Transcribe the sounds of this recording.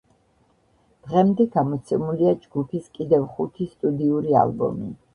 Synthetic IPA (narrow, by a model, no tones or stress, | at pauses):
d̪̥ʁɛmd̪ɛɡamɔt̪sʰɛmuliad͡ʒɡupʰiskʼid̪ɛvχut̪ʰist̪ʼud̪iuɾia̰lbɔ̰mḭ